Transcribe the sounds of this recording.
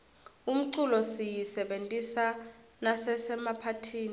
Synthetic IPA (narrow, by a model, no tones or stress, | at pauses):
um̩ǀulɔsijisɛɓentʼisa | nasɛsɛmapʰatʰiːni